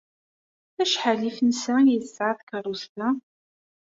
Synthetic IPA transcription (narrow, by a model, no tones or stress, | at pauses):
æʃħalifnsæjəθsːʕaθkəɾˤust̪a